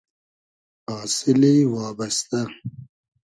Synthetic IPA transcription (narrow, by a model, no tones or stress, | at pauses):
aːsɪliwɑːbɐst̪ɐ